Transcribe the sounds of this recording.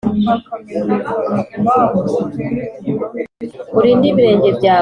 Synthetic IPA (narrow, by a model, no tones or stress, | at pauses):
uɾiːndiβiɾe̞ːɲɟe̞bɟaː